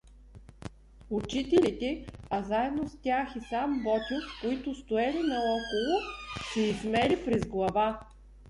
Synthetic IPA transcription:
ʊt͡ʃit̪ɛlit̪ɛazaɛd̪nost̪ʲaxisambɔt̪ʲofkoit̪ʊst̪ʊɛlinɐɔkolˠosɛizmɛlipɾɛzɡlˠɐva

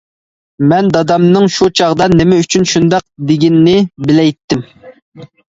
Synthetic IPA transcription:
mɛnd̪ɑd̪ɑmnɨŋʃut͡ʃʰɑʁd̪ɑnɪmɛyt͡ʃʰynʃund̪ɑq̚d̪ɪɡʲinːɪbɪlɛjt̪ʰːɪm

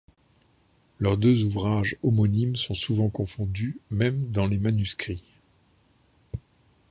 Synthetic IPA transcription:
lœʁd̪øzuvʁaʒɔmɔnimsɔ̃suvɑ̃kɔ̃fɔ̃d̪ymɛmd̪ɑ̃lemanyskχi

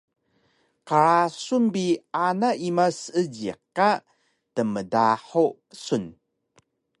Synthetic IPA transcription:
qaɾasunbianaʔimasəɟḭqːa | təmədaħu | sun

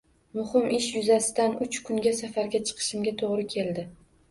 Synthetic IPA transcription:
mʊhɪmɪʃjʊzasɪd̪anʊt͡ʃkʰʊŋɡʲasafaɾɡʲat͡ʃʰɨ̥qʰɨ̥ʃɪmɡʲat̪ʰoʁɾɪkʲʰe̞ld̪ɪ

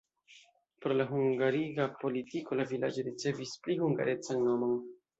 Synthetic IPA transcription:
poɾlaɦuŋɡaɾiɡapo̞litiko̞lavilad͡ʒo̞ɾit͡se̞visplihuŋɡa̰ɾe̞t͡sanːo̞mo̞n

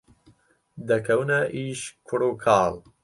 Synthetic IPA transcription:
d̪ɐkʰɐwnɐʔiːʃkʰʊɾuːkʰaːl

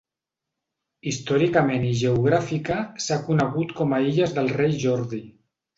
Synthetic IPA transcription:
ist̪ɔɾikameniʒeuɣ̞ɾafikasakunəɣut̪kɔmaeʎəzðəlˠrejʒɔɾði

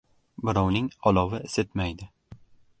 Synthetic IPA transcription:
bɪɾɒwnɪŋɒlˠɒwɪeset̪majd̪ɪ

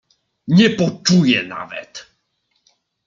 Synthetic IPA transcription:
ɲɛpɔt͡ʂujɛna̰vɛ̰t̪

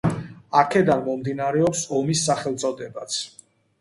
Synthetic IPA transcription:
akʰɛd̪anmɔmd̪inaɾɛɔpsɔmisːaχɛlt̪sʼɔd̪ɛbat̪sʰ

